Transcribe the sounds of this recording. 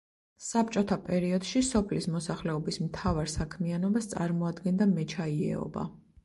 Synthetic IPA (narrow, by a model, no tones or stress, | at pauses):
sap̚t͡ʃʼɔt̪ʰapʼɛɾiɔd̪ʃisɔpʰlismɔsaχlɛɔbismt̪ʰavaɾsakʰmianɔbast̪sʼaɾmɔad̪ɡɛnd̪amɛt͡ʃʰaiɛ̰ɔ̰ba̰